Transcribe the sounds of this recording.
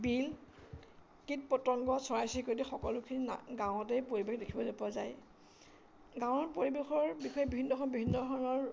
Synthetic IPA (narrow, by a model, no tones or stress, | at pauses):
bil | kit̚pɔtɔŋɡɔsɔɹajsikotixɔkɔlʊkʰininɡãw̃ɔtɛjpoɹibexdekʰibɔdepazaj | ɡãwɔɹpoɹibexɔɹbixɔjɛbibʱinːɔɔɔbibʱinːɔdʱɔɹnɔɹ